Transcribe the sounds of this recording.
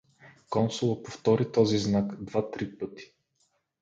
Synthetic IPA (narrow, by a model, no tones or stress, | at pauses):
kɔnsʊlˠopoft̪ɔɾit̪ɔziznakd̪vat̪ɾipɤt̪i̥